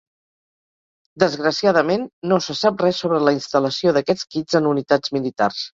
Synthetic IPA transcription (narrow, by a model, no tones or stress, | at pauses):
d̪əzɣɾəsijað̞əmenːosəsap̚rɛsoβɾələinst̪ələsioðəkɛt͡skid͡zənunit̪ad͡zmilit̪a̰rs